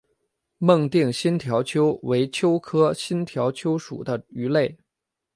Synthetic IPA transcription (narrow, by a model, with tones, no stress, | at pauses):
mɤ˥˧ŋt̪i˥˩ŋɕi˥nt̪ʰjɑ˧˥ʊt͡ɕʰjo˥ʊwe˧˥ɪt͡ɕʰjo˥ʊkʰɤ˥ɕi˥nt̪ʰjɑ˧˥ʊt͡ɕʰjo˥ʊʂṵ˨˩d̪ə˦y˧˥le˥˩ɪ